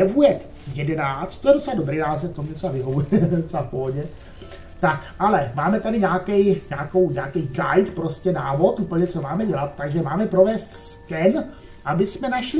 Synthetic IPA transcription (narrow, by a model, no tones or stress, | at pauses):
ɛvujɛt̪ | jɛdɛnaːt͡st̪t̪ːojɛdo̞t͡sɛlado̞bɾiːnaːs̬ɛft̪omuɲɛot͡sɛlavɪɦovujɛdot͡sɛlapoɦoɲɛ | t̪akʔalɛmaːmɛt̪adɪɲaːkɛjɲaːkowɲaːkijɡajt̪pɾo̞scɛnaːvo̞t̪ʔupl̩ɲɛt͡so̞maːmɛɟɛlat̪t̪ːaɡʒɛmaːmɛpɾo̞vɛːst̪skɛn | ʔabɪsmɛnaʃl